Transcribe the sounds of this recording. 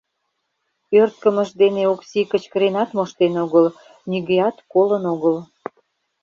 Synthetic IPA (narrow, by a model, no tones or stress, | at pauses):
ørt̪̚kəməʃd̪eneoksikət͡ɕkəɾenɑt̪moʃt̪enoɣəl | niɣejɑt̪kolənoɣəl